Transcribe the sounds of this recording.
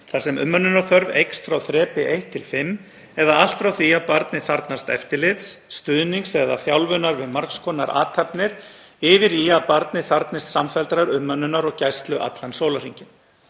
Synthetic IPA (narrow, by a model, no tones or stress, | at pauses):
θasɛmʏ̰mːœnːʏnaɾθœɾvejkst̪fɾawθɾɛːpɪʔejht̪ʰːɪlfɪmː | ɛðaal̥t̪fɾawθiaðpaɾt̪nɪθaɾt̪nast̪ɛ̰ft̪ɪlɪt̪sːt̪ʏðniŋksɛða̰θjawlvʏnaɾvɪðmaɾ̥kskʰɔna̰ɾʔa̰ːt̪ʰapnɪɾ̥ | ɪvɪɾiaðpaɾt̪nɪθaɾt̪nɪst̪samfɛlt̪ɾaɾʏmːœnːʏnaɾɔɣcajst̪lʏʔa̰t̪lansowlar̥iɲcɪn